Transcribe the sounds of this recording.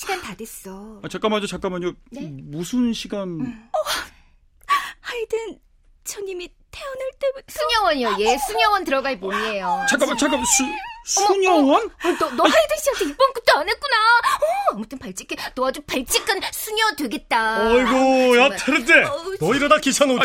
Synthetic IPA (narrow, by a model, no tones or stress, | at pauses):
ɕʰiɡantades͈ʌat͡ɕak͈amaɲot͡ɕak͈amaɲʌmusʰunɕʰiɡanʌ | haidɯn | t͡ɕʰʌɲimi | tʰeʌnɯɭt͈ebutsʰuɲjʌwʌɲjoje̞sʰuɲʌwʌntɯɾʌɡaimoie̞jot͡ɕak͈t͡ɕak͈amsʰusʰuɲʌwʌnʌnʌhajdɯɕ͈iʌsʰʌip͈ʌnkut͈oanek͈unaʌamutʰɯmpaɭt͡ɕ͈i̥k͈ʰːenʌad͡ʑupaɭt͡ɕ͈ʰik͈ansʰuɲʌdweɡe̞t̚t͈aiɡojatʰeɾɯdenʌiɾadakisʰaŋo